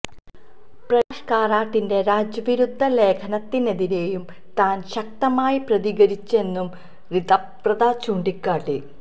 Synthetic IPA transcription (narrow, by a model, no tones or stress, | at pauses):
prɐʂkaːraːʈːinde̞ɾaːd͡ʑjɐʋiɾud̪ʱːɐle̞ːkʰɐnɐt̪ːine̞ðiɾe̞ːjum | t̪aːnɕɐk̚t̪ɐmaːjiprɐðiɣɐɾit͡ɕːe̞nːum | riðɐpprɐðaːt͡ɕuːɳɖikːaːʈːɨ